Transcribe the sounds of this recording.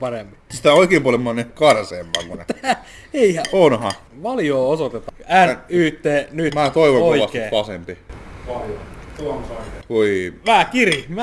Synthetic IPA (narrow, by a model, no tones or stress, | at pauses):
pɑremːisi̥t̪æoikeːmpuɑlemɑnːekɑrseːmːɑ̰ːŋkunnḛt̪ææ | eihæonhɑ̰ | ʋɑljoːosot̪et̪ɑænyːt̪ːeːnymæːt̪oiʋoŋoiʋɑskiepɑsḛmpiʋɑljoumsɑkoiʋæhækirim